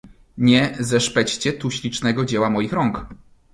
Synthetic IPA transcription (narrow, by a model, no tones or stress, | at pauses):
ɲɛzɛʂpɛt͡ɕt͡ɕɛt̪uɕlʲit͡ʂnɛɡɔd͡ʑɛwamɔjixɾɔŋk